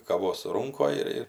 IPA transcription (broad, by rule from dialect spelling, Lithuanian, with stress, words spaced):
kɐˈʋoːs ˈruːŋkoːj ɪr ˈɪr